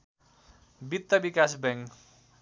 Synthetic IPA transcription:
bit̪ːəbikasbɛŋ

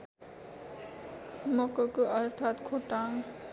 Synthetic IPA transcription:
mʌkʌkʌɾt̪ʰaːt̪kʰoʈaŋ

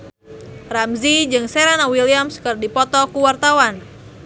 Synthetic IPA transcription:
ramzid͡ʒɨŋsɛɾanawiliamskɨrdipɔt̪ɔkuwart̪awan

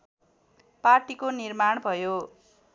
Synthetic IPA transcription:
parʈikonirmaɳ̃bʱʌjo

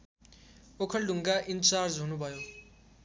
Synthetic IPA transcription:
okʰʌlɖʱuŋɡaʔint͡sard͡zɦunubʱʌjo

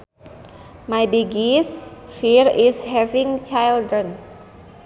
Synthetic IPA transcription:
majbiɡisfiɹishɛvĩŋt͡ʃajldɾən

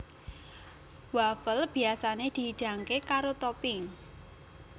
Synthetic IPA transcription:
wafəlb̥i̤asaned̪̥iɦiɖ̥a̤ŋkekaɾot̪ɔpɪŋ

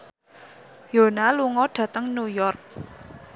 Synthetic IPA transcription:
jonaluŋɔɖ̥ä̤t̪əŋnujɔrk̚

